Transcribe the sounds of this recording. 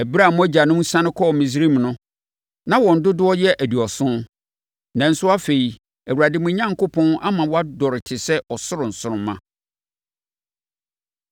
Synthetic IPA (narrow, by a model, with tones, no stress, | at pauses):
æ˨bi˦ɾa˦˨mʊ̃˦æ˦d͡ʑa˨nʊ̃˦mũ˦sã˦nɪ̃˦kʰɔ˦˨mĩ˨s̬ɾĩ˦˨m˨nʊ̃˦ | nã˨wɔ̃˨n̩˨dʊ˦dʊ˦ɔ˦jɛ˦ʔæ˨du˨ɔ˨sʊ̃˦n | nã˨n̩˦sʊ˦a˦fe˨i˨ | æ˨wu˨ɾa˨dɪ˦mʊ̃˦ɲã˦ŋkʊ˦pʰɔ̃˦na˦mã˨wɔ˦a˦dɔ˨ɾɪ˨tʰɪ˨sɛ˦ʔɔ˨sʊ˦ɾʊ̃˨n̩˨sʊ˦ɾʊ̃˦mːã̰˦